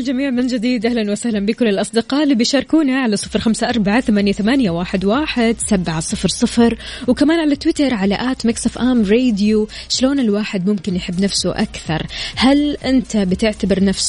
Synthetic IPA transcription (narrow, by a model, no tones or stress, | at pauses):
ɪld͡ʒamiːʕmɪnd͡ʒɪd̪iːd̪ʔahlanwasahlambiːkʊlːɪlʔɑsˤd̪ɪqɑːʔlibɪjʃɑːɾˤkuːnaʕalasˤɨfɾxamsaʔɑɾˤbaʕaθamaːnjaθamanjawaːħɪd̪waːħɪd̪sabʕasˤɨfɾsˤɨfɾwkamaːnʕalat̪ːwɪt̪ɑɾˤʕalaʔaːt̪maksˤafʔaːmɾeːd̪ju | ʃloːnɪlwaːħɪd̪mʊmkɪnjħɪbːnafsʊʔa̰kθɑ̰ɾˤhalʔɪnt̪ʰabɪt̪ɪʕt̪abɪɾnafs